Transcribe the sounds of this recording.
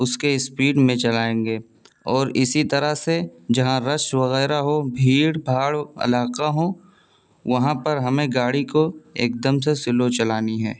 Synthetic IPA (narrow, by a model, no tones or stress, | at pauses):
ʊskeɪspiːɖmẽt͡ʃɐlaːẽːŋɡeː | ɔːɾɪsit̪ɐɾəsed͡ʒɐɦãɾɐʃʋɐɣɛːɾaɦobʱiːɽbʱaːɽɐ̰laːqaɦõ | ʋɐɦãpɐɾɦɐmẽɡaːɽikoḛːk̚d̪əmsesɪlot͡ʃɐlaːniɦɛː